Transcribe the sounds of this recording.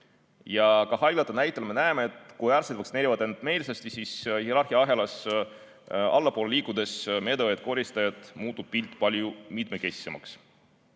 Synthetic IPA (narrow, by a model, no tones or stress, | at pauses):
jɑkɑhɑjlɑt̪ːˑɑnæjt̪ːˑelme̞næemeet̪ˑkujɑrsed̪vɑksineːɾivɑd̪ent̪me̞ːlsɑst̪isishieɾɑrxiɑɦe̞lɑs | ɑlːɑpoːleliːkˑud̪̥e̞sme̞d̪eet̪̚ko̞ɾist̪ɑjɑt̪muːt̪ːˑub̥̚pilt̪ːˑpɑlʲjumit̪mekesi̥semɑ̰ks